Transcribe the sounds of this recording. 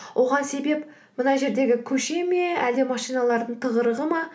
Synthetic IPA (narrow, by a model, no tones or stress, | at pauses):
wʔo̞ʁɑnse̞be̞p | mənɑʒe̞ɾd̪e̞ɡʲɪkʲʰɵʃe̞me̞æld̪emɑʃijnɑlˠɑɾd̪əɴt̪ʰəʁəɾəʁəmɑ